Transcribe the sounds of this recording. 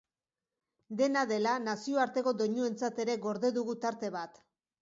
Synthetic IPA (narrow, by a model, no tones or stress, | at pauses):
d̪e̞naðe̞lanasio̞aɾt̪e̞ko̞d̪o̞ɲue̞nt͡sat̪e̞ɾe̞ɣo̞ɾðe̞ðuɣut̪aɾt̪e̞β̞at̪